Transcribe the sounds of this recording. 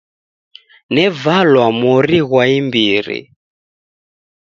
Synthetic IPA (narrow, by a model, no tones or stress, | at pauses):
nɛvalwamɔɾiɣwaimbiɾḭ